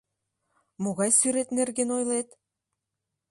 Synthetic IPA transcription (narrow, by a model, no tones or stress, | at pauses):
moɣɑjsyɾet̪nerɣenojlet̪